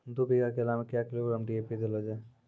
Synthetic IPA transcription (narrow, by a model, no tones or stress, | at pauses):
d̪ubiɡakelamekjakloɾamɖiepid̪elɔd͡ʒa